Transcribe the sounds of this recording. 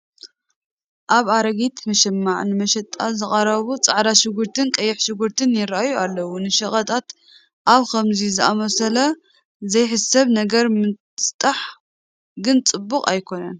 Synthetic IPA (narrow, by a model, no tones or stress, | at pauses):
ʔaβaɾɐɡit̪mɐʃɛmːaʕnɨmɐʃɐt̪ʼːazɨχʼɐɾɐβut͡sʼaʕɾaʃɪɡuɾt̪ʰɨnkʼɐjːɪħʃɨɡʊɾt̪ʰɨnjɪɾaʔajualːɐwunɨʃɐχʼɐt̪ʰʼat̪ | ʔaβkʰɐmzizɨamɐsɐlɐ | zɐjħɨsɐβnɐɡɐɾmɨ | t̪ʼaħ | ɡɨnt͡sʼɨbːʊqʼa̰jkʰo̞nɐ̰n